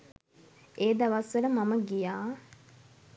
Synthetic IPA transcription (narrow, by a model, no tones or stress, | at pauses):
eːd̪aʋasʋələmaməɡijaː